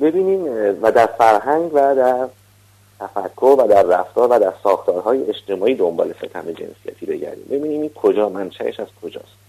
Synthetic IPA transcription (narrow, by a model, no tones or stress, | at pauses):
be̞biːniːmvæd̪æɾfæɾɦæŋɡvæd̪æɾ | t̪ʰæfækʰːovæd̪æɾːæft̪ɒːɾvæd̪æɾsɒːxt̪ʰɒːɾɦɒːjeeʃt̪ʰe̞mɒːiːd̪o̞mbɒ̰ːle̞sḛt̪ʰæme̞d͡ʒe̞̰nsijæ̰t̪ʰiːbe̞ɟæ̰ɾd̪ḭːmbe̞biːniːmiːnkʰo̞d͡ʒɒːmænʃæʔḛʃæz̥kʰo̞d͡ʒɒ̰ːst̪